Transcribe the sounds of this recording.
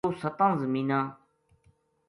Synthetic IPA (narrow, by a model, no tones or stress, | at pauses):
oːsət̪ãːzəmiːnãː